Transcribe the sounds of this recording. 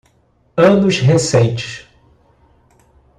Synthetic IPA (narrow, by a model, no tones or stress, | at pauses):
ɐ̃nʊʃɦesẽnt͡ʃɪ̥s